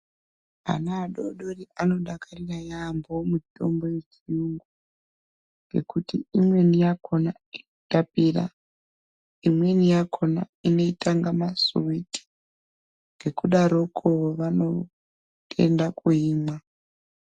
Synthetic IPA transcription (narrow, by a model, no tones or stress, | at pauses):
a̰naːɗoɗoriʔano̞ɗakarirajaːmbomuto̞mbo̞je̞t͡ʃiuŋɡu | ŋɡe̞̰kutiimwe̞nijako̞na | iutapira̰ | imwe̞nijakʰo̞na̰ino̞itʰaŋɡamasuwiti̥ | ŋɡe̞kuɗaɾo̞kʰoʋano̞ | e̞̰ndakuiːmwa